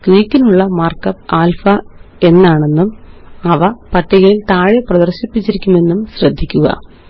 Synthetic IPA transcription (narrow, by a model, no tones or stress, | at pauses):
kriːkːinuɭːɐmaːrkɐpːaːlfɐe̞nːaːɳe̞nːumɐʋɐpɐʈːiɣɐɭilt̪aːɻɐprɐd̪ɐrɕipːit͡ɕːiɾikʲːume̞nːumɕrɐd̪ʱːikʲːuɣɐ̰